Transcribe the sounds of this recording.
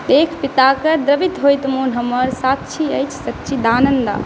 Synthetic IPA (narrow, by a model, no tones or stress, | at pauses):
d̪ekʰpit̪akəd̪ɾəbit̪ɦojt̪munɦəmːəɾsat̪t͡ʃʰiəjt͡ʃʰsət̪ːt͡ʃʰid̪anənd̪a̰